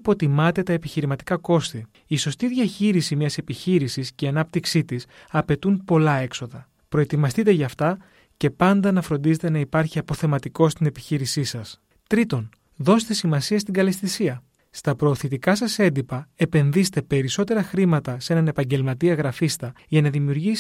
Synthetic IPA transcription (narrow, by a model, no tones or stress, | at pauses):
po̞t̪imɐt̪e̞t̪ɐepiçiɾimɐt̪i̥kɐko̞st̪i | iso̞st̪iðʝɐçiɾisimɲɐse̞piçiɾisisceɐnɐp̚t̪iksit̪is | ɐpe̞t̪unpo̞lɐe̞kso̞ðɐ | pɾo̞e̞t̪imɐst̪it̪e̞ʝɐːft̪ɐ | ce̞pɐnd̪ɐnɐfɾo̞nd̪ize̞t̪e̞nɐipɐɾçiɐpo̞θe̞mɐt̪iko̞st̪ine̞pi̥çiɾisisɐs | t̪ɾit̪o̞n | ðo̞set̪e̞simɐsiɐst̪iŋɡɐlest̪isiɐ | st̪ɐpɾo̞ːθit̪ikɐsɐse̞nd̪ipɐe̞pe̞nðise̥t̪e̞pe̞ɾiso̞t̪e̞ɾɐxɾimɐt̪ɐse̞nɐne̞pɐɲɟe̞lmɐt̪iɐɣɾɐfist̪ɐ | ʝɐnɐðimiuɾʝis